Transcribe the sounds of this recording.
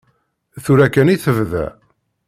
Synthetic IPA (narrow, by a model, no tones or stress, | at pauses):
θuɾækæniθəvðæ̰